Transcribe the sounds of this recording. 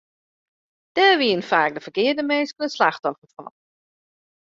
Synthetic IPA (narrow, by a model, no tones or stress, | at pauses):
d̥ɛːʋiənfaːk̚dəfəkɪədəmenskənəslaxtɔfəfɔ̰n